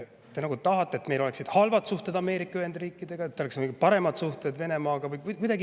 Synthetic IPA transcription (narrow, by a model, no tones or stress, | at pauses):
t̪ːe̞nɑɡut̪ɑɦɑt̪ːˑe̞et̪mejlo̞le̞ksid̪̥hɑlvɑt̪suht̪e̞d̪̥ɑme̞ːɾikːˑɑyhe̞nd̪̥riːkːˑid̪̥e̞ɡ̥ɑet̪ːeeksnkuɡipɑɾe̞mɑt̪suht̪e̞d̪ve̞ne̞mɑːɡ̥ɑvɯjkkud̪ɑɡi